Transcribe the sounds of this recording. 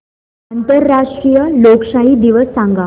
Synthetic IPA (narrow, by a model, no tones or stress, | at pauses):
ant̪əɾːaʂʈɾijəlokʂaɦiːd̪iʋəsːãŋɡa